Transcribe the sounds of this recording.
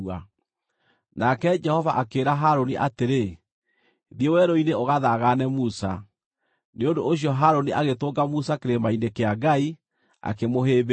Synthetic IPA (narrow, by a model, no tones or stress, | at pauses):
a | nakɛd͡ʒɛhɔvaʔakeːɾaɦaɾoniʔa̰teɾe | ðiewɛɾoineoɣaðaɣanɛmusa | neondoːɕiɔɦaɾoniʔaɣetoɡamusakeɾemainekeaɡai | a̰kemoɦeːβ